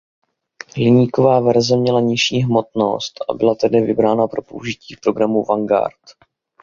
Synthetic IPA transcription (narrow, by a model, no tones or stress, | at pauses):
lɪɲiːko̞vaːvɛɾzɛmɲɛlaɲɪʃiːɦmo̞t̪no̞̰st̪ʔa̰bɪlat̪ɛdɪvɪbɾaːnapɾo̞po̞̰uʒɪciːfpɾo̞ɡɾamuvaŋɡa̰ɾt̪